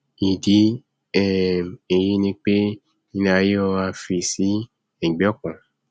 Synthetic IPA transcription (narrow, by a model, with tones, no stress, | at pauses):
i˨di˨˦ | ɛ˦˨e˨ji˦nĩ˦k͡pe˦ | ĩ˦nã˧˦jɔ˧a˧fi˨si˨˦ | ɛ˨ɡ͡bɔ˦kɔ̃˨